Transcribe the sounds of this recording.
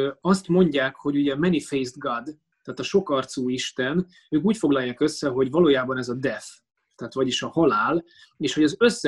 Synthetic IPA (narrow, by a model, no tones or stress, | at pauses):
ɒst̪mo̞ɲɟaːkho̞ɟuɟɛmɛnifejzd̪ɡɒd̪ | t̪ːaːt̪ɒʃo̞kɒrt̪suːiʃt̪ɛn | øːkuːcfo̞ɡlɒjːaːkø̞sːɛɦo̞ɟvɒloːjaːbɒnɛzɒd̪ɛf | t̪ɛːt̪ʋɒɟiʃɒhɒlaːl | eːʃhoɟɒzø̞sːɛ